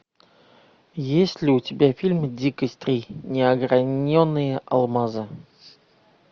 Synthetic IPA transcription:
jesʲlʲɪʊtʲɪbʲafʲilʲmdʲikəsʲt̪ɾʲinʲɪɐɡɾanʲːonːɨjəʔɐ̰lˠmaza

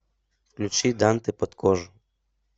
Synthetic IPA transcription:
fklʲut͡ʃid̪ant̪ɪpɔt̪kʰɔʒʊ

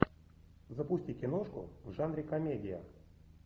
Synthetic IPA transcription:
zəpusʲtʲikʲenoʂkʊ̰vʐanɾʲɪkamʲedʲɪja̰

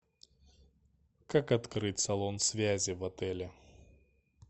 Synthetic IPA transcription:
kakɐt̪kɾɨtʲsɐlˠonsʲvʲæzʲɪvɐt̪ɛlʲɪ

